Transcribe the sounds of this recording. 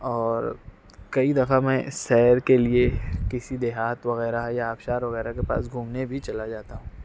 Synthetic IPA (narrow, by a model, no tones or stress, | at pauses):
ɔːɾ | kɐid̪ɐfamɛ̃ːsɛːɾkeliekɪsid̪eːɦaːt̪ʋɐɣɛːɾaɦjaːbʃaːɾʋɐɣɛːɾakepa̰ːsɡʱũːmnebʱit͡ʃɐlad͡ʒaːt̪aɦũː